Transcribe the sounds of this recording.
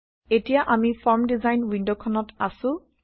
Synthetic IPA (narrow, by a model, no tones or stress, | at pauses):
etijaʔamifɔɹmdizajnwindokʰɔnɔtasʊ̃